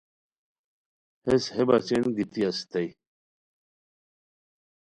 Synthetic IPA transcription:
heshebat͡ɕenɡit̪iɐst̪ɐj

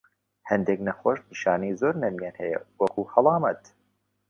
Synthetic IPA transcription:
hɛnd̪eknɐxoːʃniʃɑːnijzoːɾnɐmjanhɛjɛ̰wɐkʰuhɐlˠɑːmɐt̪

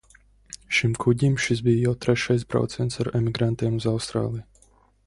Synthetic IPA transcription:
ʃimkʰuɟʲimʃisbijjawt̪ɾɛʃajs̬bɾɔ̰wt̪sɛnt̪saɾɛmʲiɡɾant̪eːmuzawst̪ɾa̰ːlˠij

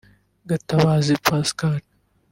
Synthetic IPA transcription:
ɡɐt̪ːɐwaːzipaskaːʈ̚

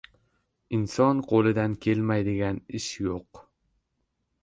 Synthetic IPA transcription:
ɪnsɒnqʰolˠɪd̪ankʲʰe̞lmajd̪ɪɡʲanɪʃjoq

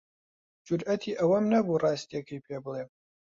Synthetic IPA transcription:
d͡ʒʊɾʔɐt̪ʰiːʔɐwɐmnɐburɑːst̪iɐkʰəjpʰeːbɨlˠeːm

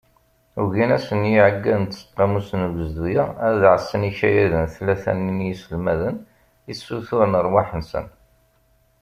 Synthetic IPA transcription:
uʝinæsənjiʕəɡːæðənt̪sə̥qːɑmusənɡəzd̪ujaæðʕəsːəniçæjæðənθlːæθæ̰ninjisəlmæðən | isːuθʊɾənəɾˤwaħənsə̰n

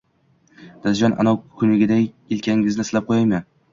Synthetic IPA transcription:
d̪̥ad̪d͡ʒɒnʔa̰nɒwkʲʰʊnɪɡʲɪd̪a | ɪlkʲʰaɪzɪslap̚qʰojajman

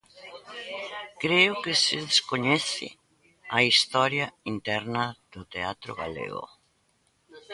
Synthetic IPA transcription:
kɾeʊkɪsɪðeskoɲɛθɪ̰ | ɐist̪ɔɾjɐint̪ɛɾnɐð̥ʊt̪eat̪ɾʊ̰ɣa̰lḛɣo̰

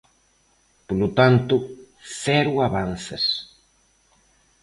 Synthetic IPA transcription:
polʊt̪ant̪ʊ | θɛɾʊaβan̟θɪs

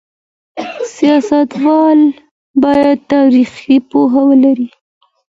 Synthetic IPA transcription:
sijɑsat̪wɑl | bɑjad̪̚t̪ɑɾixipoɦawəlaɾi

